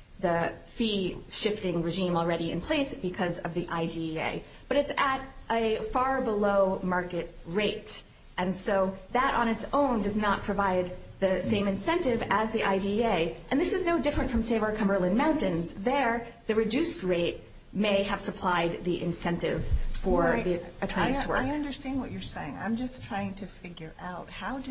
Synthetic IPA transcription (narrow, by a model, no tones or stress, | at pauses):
ðɨfiʃɪftɪ̃ŋɹɨʒĩml̩ˠɹɛɾiɨ̰̃npʰl̥eɪsb̥ɨkʰʌzʌvðiʔaɪdiḛɪ | b̥ʌɾɨtsɨɾʔɨfɑɹbəloʊmɑɹkɨt̚ɹeɪt | ʔɨ̃nsoʊðəɾn̩ɨtsõʊ̃ndʌznət̚pʰɹ̥ɨvaɪd̪̚ | ðɨsẽɪ̃mɨ̃nsɛ̃ntɪvɨzðiʔaɪdieɪʔɨ̃nðɪsɨznoʊdɪfɹɨ̃ntfɹʌ̃mseɪvə˞kʰʌ̃mbə˞lˠɨ̃nmãʊ̃ntɨ̃nzðə˞ | ðɨɹɨdʉst̚ɹeɪt̚ | meɪɨv̥səpʰl̥aɪd̪̚ðiʔɨ̰̃nsɛ̃ntɪ̰v̥fə˞ðiɨtʰɹ̥ãɪswɜ̰ɪʌ̃ndə˞stæ̃nwʌt͡ʃə˞seɪɪ̃ŋã̰ɪ̃md͡ʒʌstʰɹ̥aɪɪ̃ŋtʰɨfɪɡjə˞ʔaʊt̚haʊd